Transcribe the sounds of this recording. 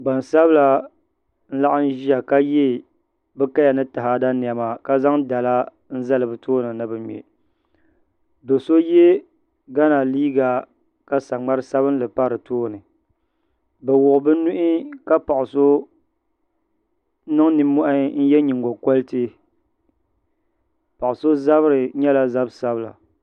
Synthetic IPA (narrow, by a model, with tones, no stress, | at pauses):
ɡ͡ba˨nsa˦bɨ˦la˨ | n̩˦la˦ʔa˦n˦ʒi˦a˨ka˦jɛ˦˨ | bɨ˦ka˦ja˨nɨ˦ta˨ɦa˨da˦ni˨a˨ma˨ka˦za˦ŋda˨la˦ | n̩˦za˦lɨ˨bɨ˨tʰoː˦nɨ˨nɨ˨bɨ˨ɲɛ̰˨ | bɛ˨so˦je˦ | ɡa˦na˨liː˦ɡa˨ | ka˦sa˨ŋ͡ma˦ɾɨ˦sa˦βɨ˦n˦lɨ˨pa˦ɾɨ˨toː˦nɨ˨ | bɛ˨wʊ˨ʔʊ˨bɨ˦nu˦ʔɪ˦ka˦pa˨ʔʊ˨so˦ | nɨ˦ŋnɨ˨mːɔ˦ʔa˦n̩˦jɛ˦ɲi˨ŋɡo˨ko˦lɨ˦tɨ˦ | pa˨ʔʊ˨so˦za˦βɨ˦ɾɨ˨ɲɛ˦la˦za˦bsa˦bɨ˦la̰˨